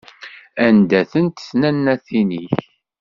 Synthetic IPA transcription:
ænd̪æθənt̪θnænːæθiniç

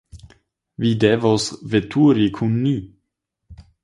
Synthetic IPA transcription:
videvosvetʰuɾikʰunːi

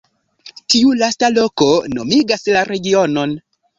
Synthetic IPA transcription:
tiulastalo̞ko̞no̞̰miɡaslaɾe̞ɡiono̞n

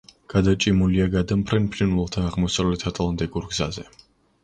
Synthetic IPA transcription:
ɡ̥ad̪at͡ʃʼimuliaɡad̪ampʰɾɛnpʰɾinlɛlˠt̪ʰaaʁmɔsavlɛt̪ʰat̪ʰlˠant̪ʼikʼuɾɡzazɛ

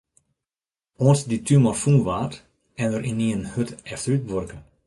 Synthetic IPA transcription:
ɔnsditʰymɔrfũːʋaːt | ɛnəɾʔɪnːiənhøtɛfslyt̚ʋørkə

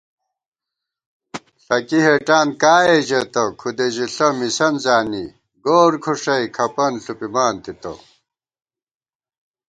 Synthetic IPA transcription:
ɬɐkiɦeʈaːnkaːeʑɐt̪ɐkʰud̪eʑiɬɐmisɐnzaːni | ɡoːɾkʰuʂɐikʰɐpɐnɬupimaːnt̪it̪ɐ̰

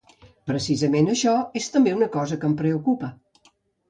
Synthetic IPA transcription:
pɾəsizəmenəʃɔest̪əmbeunəkɔzəkəmpɾəukupə

